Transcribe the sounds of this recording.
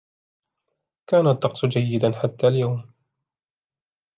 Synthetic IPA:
kaːnat̪ˤːɑqsˤd͡ʒajːɪd̪anħat̪ːaːljawm

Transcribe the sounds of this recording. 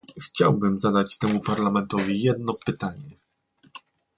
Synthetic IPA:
xt͡ɕa̰wbɘmzad̪at͡ɕt̪ɛmupaɾlamɛnt̪ɔvʲijɛd̪nɔpɘt̪aɲɛ

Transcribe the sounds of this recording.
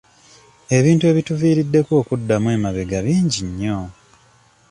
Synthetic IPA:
e̞βiːntue̞ːβituviːɾidːe̞kwo̞ːkudːamwe̞ːmaβe̞ɡaβiːɲɟiɲːo̞

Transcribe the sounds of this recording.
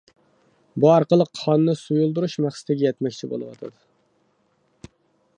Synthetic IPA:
buɑɾqəlˠəqːʰɑnɨnɨsujulˠd̪uɾuʃmæχsɪ̥t̪ʰɪɡʲɛjɛt̪mɛkʲt͡ʃʰibo̰lˠɨ̰wɑ̰t̪ʰɑ̰d̪ɨ

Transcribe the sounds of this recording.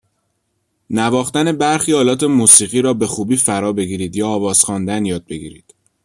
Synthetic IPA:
nævɒːxt̪æne̞bæɾxiːɒːlɒːt̪ʰe̞muːsiːɣiːɾɒːbe̞xuːbiːfæɾɒːbe̞ɡiːɾiːd̪jɒːvɒːz̥xɒːnd̪ænjɒːd̪̚be̞ɡḭːɾḭːd̪̥

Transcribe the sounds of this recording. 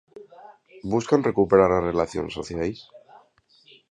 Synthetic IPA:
buskanre̞kupe̞ɾaɾare̞laθjo̞̰nsoθjals

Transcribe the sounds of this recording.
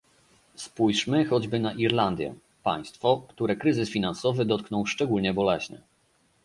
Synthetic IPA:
spujʂmɘxɔd͡ʑbɘnaʔiɾland̪ʲjɛ̰ | pa̰j̃st̪fɔkt̪uɾɛkɾɘzɘsfʲinansɔvɘd̪ɔt̪̚knɔ̃wʂt͡ʂɛɡulɲɛbɔlɛɕɲɛ̰

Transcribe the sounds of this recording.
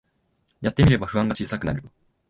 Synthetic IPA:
jat̪ːemʲiɾe̞baɸɯ̟ãŋɡat͡ɕiːsakɯ̟na̰ɾɯ̟

